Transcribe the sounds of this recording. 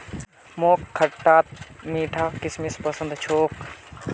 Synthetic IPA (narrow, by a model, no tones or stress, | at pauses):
moːkʰːɐʈːaːt̪̚miːʈʰaːkɪsmispəsə̃nd̪t͡ʃʰoːk